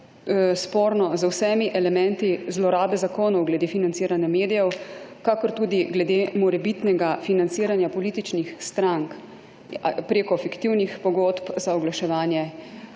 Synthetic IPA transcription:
spoːɾnɔzəwsɛmiʔɛlɛmɛ̃nt̪izlɔɾaːbɛzakoːnɔwɡlɛd̪efinantsiːɾanjameːd̪ijɛwkakɔɾt̪uːd̪iɡlɛd̪emɔɾɛbit̪nɛɡafinant̪siːɾanjapɔliːt̪it͡ʃnixst̪ɾaŋk | pɾeːkɔfikt̪iwnixpɔɡoːt̪pzaɔɡlaʃɛʋaːnjɛ

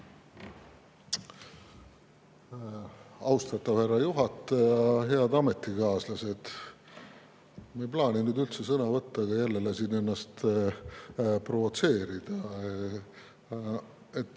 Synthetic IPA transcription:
ɑwst̪ɑt̪ːˑɑvhæɾːɑjuɦɑt̪ːˑejɑɦe̞ɑd̪ɑme̞t̪ːikɑːslɑse̞d̪̥ | mejplɑːnʲinyd̪ylt̪se̞sɤnɑvɤt̪ːɑɡ̥ɑjælːelesinːe̞nːɑst̪ | pro̞vo̞t̪se̞ːɾid̪̥ɑ | et̪ː

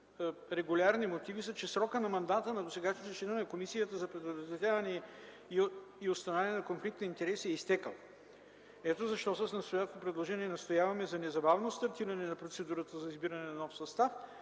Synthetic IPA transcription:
ɾɛɡulʲaɾnimot̪ivisət͡ʃɛsɾɔkənɐmɐnd̪at̪ənɐd̪osɛɡaʃnot̪ɛʃɛnənɐkomisijət̪əzɐpɾɛd̪od̪od̪ɐt̪ʲavɐnɛ | iiost̪ɐnvaniɛnɐkonflikt̪nɐint̪ɛɾɛsiɛist̪ɛkəlˠ | ɛt̪ozɐʃt̪ɔsəsnɐst̪oʊjat̪t̪opɾɛd̪lˠoʒɛniɛnɐst̪ojavɐmɛzɐnɛzɐbavnost̪ɐɾt̪iɾɐnɛnɐpɾot̪sɛd̪uɾət̪əzɐizbiɾɐnɛnɐnɔfsɐst̪af

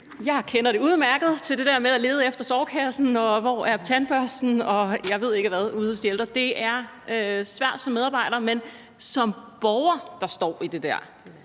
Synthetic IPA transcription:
jɑ̈ɪkʰenɐɾ̥e̝uð̞ˠmæɐɡ̥ð̩ˠt͡sʰeld̥e̝d̥ɛɐ̰meðˠæle̝ːð̞̩ˠefd̥ɐsɒʊkʰæsn̩ɒ̽ʋɒæɐt͡sʰænb̥ɶɐsd̥n̩ɒ̽jɑ̈ɪʋe̝ð̞̰ˠe̝ɡ̥əʋæð̞ˠuðˠhɒsd̥ield̥ʁɐd̥e̝æɐ | øsʋæɐ̰d̥sɒ̽meðˠɑ̈ːb̥ɑ̈ɪ̰ɾ̥ɐːmen | sɒ̽mb̥ɒʊɐd̥ɑ̈sd̥ɒ̰ːid̥e̝d̥æɐ̰

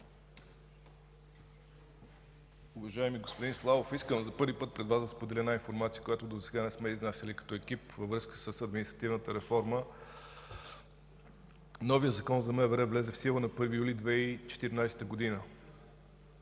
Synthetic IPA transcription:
uvɐʒaɛmiɡospod̪inslˠavofiskəmzɐpɤɾvipɤt̪̚pɾɛd̪vazd̪ɐspod̪ɛlʲɛnainfoɾmat̪siəkojat̪od̪osɛɡanɛsmɛiznasʲəlikɐ̥t̪ɔɛk̟ipvəvɾɤskə̥səsɐd̪minist̪ɾɐt̪ivnət̪əɾɛfɔɾmə | nɔvijət̪zɐkɔnzɐmɛvɛɾɛvlɛzɛfsilˠənɐpɤɾvijulid̪vɛit͡ʃɛ̥t̪iɾinajsɛ̥t̪əɡod̪inə

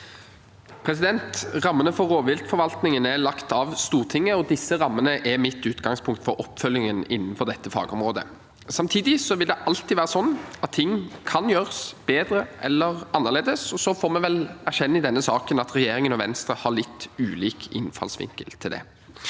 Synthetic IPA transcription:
pʰɾɛsɪd̪ɛnt̪ʁɑmːənəfɔːoːʋɪlt̪fɔɾʋɑlt̪nɪŋənælɑkt̪ɑʋst̪uːʁt̪ʰɪŋːəɔd̪ɪsːəɾɑmːənəʔɛmɪt̪ːʉːt̪ɡɑŋspʰʊŋkt̪fɔɾʔɔpːfœljɪŋənɪnːnfɔʁd̪ɛt̪ːəfɑ̰ːɡəɔmʁoːd̪ə̰ | sɑmt̪ʰiːd̪ɪsɔʋɪld̪ɛʔɑlt̪iʋæːɾəsɔnːɑt̪ʰːɪŋːkʰɑnjøːʁəsb̥eːd̪ɾəʔɛ̰lːəʁɑnːəʁɭeːd̪əsɔsɔfoːɾmɛʋɛlæɕɛnːəɪd̪ɛnːəsɑːkənɑt̪ɾɛjeːɾɪŋənɔʋɛnst̪ɾəhɑɭɪt̪ːʉːliːkʰɪnfɑ̰lsʋɪ̰ŋkə̰lt̪ʰɪld̪ɛ̰

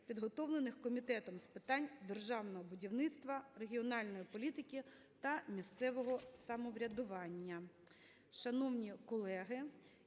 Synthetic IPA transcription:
pʲid̪ɦɔt̪ɔwlˠenɪxkɔmʲit̪ɛt̪ɔmspɪt̪ɑnʲd̪erʒɑwnɔɦɔbʊdʲiwnɪt̪st̪ʋɐre̞ɦʲiɔnɑlʲnɔjipɔlʲit̪ɪkʲi | t̪ɐmʲist̪sɛʋɔɦɔsɐmɔʋɾʲɐd̪ʊʋɑnʲːɐ | ʃɐnɔwnʲikɔlˠɛɦɪ

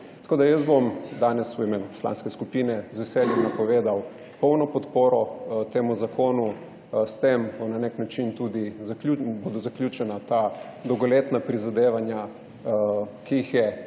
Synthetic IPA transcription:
t̪ɐ̥koːd̪ajəzbomd̪aːnɛswimeːnupɔ̥sla̰ːnskɛskupiːnɛzʋɛsɛljɛmnapɔʋeːd̪aw | pɔwnɔpɔt̪poːɾɔt̪eːmuzakʰoːnu | st̪embɔnaneknat͡ʃint̪ud̪izaklubod̪ɔzaklʲjut͡ʃɛnat̪ad̪ɔwɡɔleːt̪napɾizad̪eːʋanja | kiixjɛ

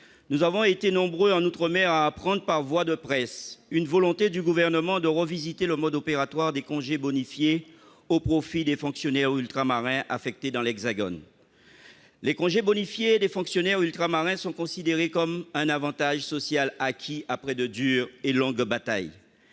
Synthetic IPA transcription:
nuzavɔ̃et̪enɔ̃bʁøɑ̃nut̪χəmɛʁaːpχɑ̃d̪ʁəpaʁvwad̪əpχɛsynvɔlɔ̃t̪ed̪yɡuvɛʁnəmɑ̃d̪əʁəvizit̪eləmɔd̪opeʁat̪waʁd̪ekɔ̃ʒebɔnifje | opχofid̪efɔ̃ksjɔnɛʁylt̪χamaʁɛ̃ʔa̰fɛk̚t̪ed̪ɑ̃lɛɡzaɡɔ̰n | lekɔ̃ʒebɔnifjeːd̪efɔ̃ksjɔnɛʁylt̪χamaʁɛ̃sɔ̃kɔ̃sid̪eʁekɔmɛ̃navɑ̃t̪aʒsɔsjalakʲʰiapχɛd̪əd̪yʁelɔ̃ɡbat̪a̰j

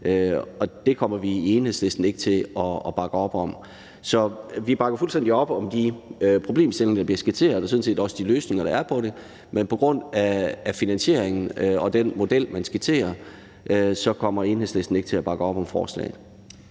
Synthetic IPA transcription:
øɒ̽d̥e̝kʰɒ̽m̰ɐʋieːnhe̝̰sle̝sd̥n̩e̝ɡ̥ət͡sʰe̝ɒ̽ːb̥ɑ̈ɡ̥əɒ̽b̥ɒ̽m | sɒ̽ʋib̥ɑ̈ɡ̥ɐfulsd̥end̥iɒ̽b̥əɒ̽md̥iøpʰʁo̝ble̝̰ːmsd̥ele̝ŋɐd̥ɑ̈b̥liɐsɡ̥et͡sʰe̝̰ːɐðˠɒsoðˠn̩se̝̰ːdɒ̽səd̥iløːsne̝ŋɐɾ̥ɑ̈æɐpʰɒ̽ɾe̝ | menpʰɒ̽ɡ̥ʁɔ̽n̰æːfinænɕe̝ɐ̰eŋn̩øɒ̽d̥enmo̝d̥el̰mænsɡ̥et͡sʰe̝̰ːɐ | ʔøsɒ̽kʰɒ̽m̰ɐe̝ːnhe̝̰sle̝sd̥n̩eɡ̥t͡sʰe̝læb̥ɑ̈ɡ̥əɒ̽b̥ɒ̽mfɒ̰ːslɛ̰ːɪð̩ˠ

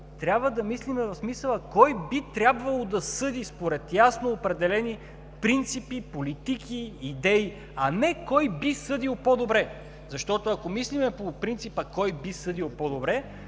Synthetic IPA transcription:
t̪ɾʲabvəd̪ɐmislimɛvɐfsmisəlˠəkɔjbit̪ɾʲabvɐlˠod̪ɐsɤd̪ispoɾɛt̪jasnoːpɾɛd̪ɛlɛni | pɾint̪sipipolit̪ikiːd̪ɛi | ɐnɛkɔjbisɤd̪ilˠpod̪obɾɛ | zɐʃt̪ɔt̪oɐkomislimɛpopɾint̪sipəkɔjbisɤd̪ilˠpɔd̪obɾɛ

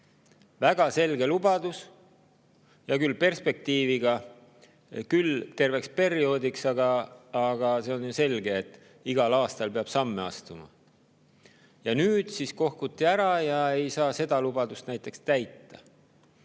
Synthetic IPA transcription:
væɡ̥ɑse̞lɡe̞lubɑd̪̥us | jɑkylpe̞rspe̞k̚t̪iːviɡ̥ɑ | kylt̪e̞rve̞kspe̞ɾio̞ːd̪iksɑɡɑːɡ̥ɑse̞o̞njuse̞lɡe̞ːt̪ːˑ | iɡ̥ɑlɑːst̪ɑlpe̞ɑb̥sɑmːe̞ɑst̪umɑ̰ | jɑnyːd̪̥sisko̞hkut̪ːiæɾɑjɑe̞jsɑːse̞d̪̥ɑlubɑd̪ust̪næjt̪ːˑe̞kst̪æjt̪ːɑ̰

